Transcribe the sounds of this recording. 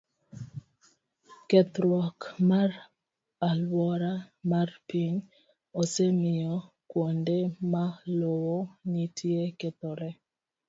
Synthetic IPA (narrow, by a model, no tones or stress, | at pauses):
kɛt̪ɾwɔkmar | alwɔɾamarpiɲ | osemɪjɔ | kwondemalowonitʰjekɛt̪oɾɛ